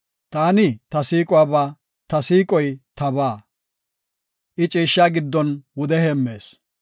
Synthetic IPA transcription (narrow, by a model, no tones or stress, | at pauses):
t̪aːnɪt̪ɐsiːkʼʊwaːbaː | t̪ɐsiːkʼɔjt̪ɐβaː | ʔɪt͡ʃʼiːʃːaːɡɪd̪ːɔnwʊd̪ɛhɛmːe̞ːs